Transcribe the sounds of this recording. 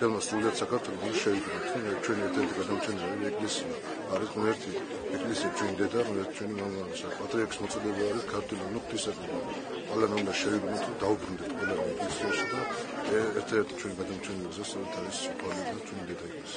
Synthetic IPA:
dɛlmasd̪ulid̪at̪sakʰaɾt̪ʰʼwɛlɔd̪anaʃɛvid̪nɔt̪ʰɾɔmɛt͡ʃʰwɛniɛɾt̪ʰɛɾt̪ʰiɡad̪amt͡ʃʰɛnɛlavɛɛkʼlɛsiaː | ɾisʁnɛɾt̪ʰi | ɛkʼlɛsiat͡ʃʰwɛnid̪ɛd̪aʁnɛɾt̪ʰi̥t͡ʃʰwɛniɡaaisapʼat̪ʼɾiakʰʼismɔt̪sʼɔd̪ɛbaːɾiskʰaɾt̪ʰʼwɛlanuqʰt̪ʰisaqʼmɛd̪a | qʼalanamd̪aʃɛviɡ̪nɔt̪ʰɾɔd̪aubɾund̪ɛt̪qʼwɛlanaɛkʼlɛsiaʃid̪aɛɛɾt̪ʰad̪ɛɾt̪ʰi̥t͡ʃʰwɛniɡad̪amt͡ʃʰɛnɛliɡzast̪ʼɔɾɛt̪ʰaɾist̪ʰwaliɔb̪nat͡ʃʰwɛnid̪ɛd̪aɛkʼlas

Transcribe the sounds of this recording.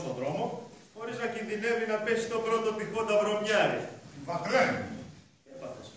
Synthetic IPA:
st̪onðɾo̞mo̞xo̞ɾiznɐcinðine̞vinɐpe̞sist̪o̞bɾo̞t̪o̞p̪ixo̞t̪ɐvɾo̞mɲɐɾivɐkɾenu | epɐθes

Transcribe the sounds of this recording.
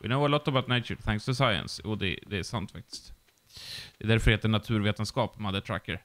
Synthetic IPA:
wɪ̰noʊəɾlɔt̪ːɔbaʊt̪neɪt͡ʃə̰˞θʰæ̃ŋkst̪ʰʊsaɪə̰̃nsjṵːd̪ɛ̰d̪ɛæʂant̪fak̚t̪ɪ̥st̪ | d̪̥ɛd̪æɾfœɾheːt̪əɳat̪ʰʉ̟ːɾveːt̪ənskɑːpmad̪əʈʰɾa̰kːə̰ɾ

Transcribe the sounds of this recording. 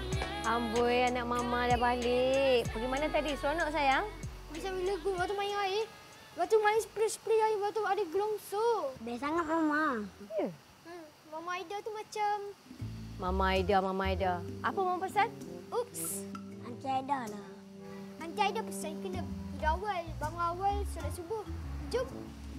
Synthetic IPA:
ambujanaʔ̚mamadabalɪkpəɡimanat̪adisuanɔʔsajaŋmasawiləɡuwat̪umajŋai | waʔt̪umaiŋsəpɾispliaiwat̪uadəɡəlɔŋsobasaŋat̪̚mamajə | mamaaidat̪umat͡ʃam | mamaaidamamaaidaʔapəmamapəsanupsaŋkiadala | aŋk̪iajdapəsankənədawalbaŋuawalsulasubohd͡ʒup̚

